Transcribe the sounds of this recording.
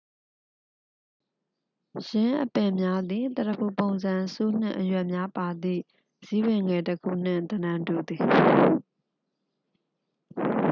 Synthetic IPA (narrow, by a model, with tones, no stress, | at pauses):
jɪ̃˦ʔəpɪ̃˨mja˦d̪i˨t̪ə˨tə˨pʰu˨põ˨ʊ̃nzã˨so˦n̥ɪ̰̃˦˨ʔəjwɛ˦ʔmja˦pa˨d̪ðḭ˦˨ | zi˦wɪ̃˨ŋɡɛ˨təkʰṵ˦˨n̥ɪ̰̃˦˨nt̪ənã˨ntu˨d̪i˨